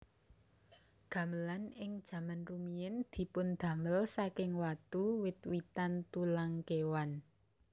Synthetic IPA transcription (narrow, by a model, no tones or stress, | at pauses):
ɡ̥ä̤məlanɪŋd̥ʒ̥ä̤manrumiɪnd̪̥i̤pʊnd̪̥ä̤məlsakɪŋwat̪uwɪt̪̚wit̪ant̪ulaŋkewan